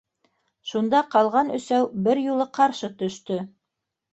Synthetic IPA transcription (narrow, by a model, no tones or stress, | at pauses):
ʃund̪ɑqɑlˠʁɑnɵ̆sæwbɘɾjulˠɤqʰɑɾʃɤt̪ɵ̆ʃt̪ɵ